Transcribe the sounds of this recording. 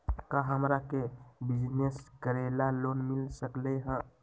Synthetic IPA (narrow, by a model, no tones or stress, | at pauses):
kaɦəmɾakebid͡ʒneskəɾelalonmilsəkleɦə̃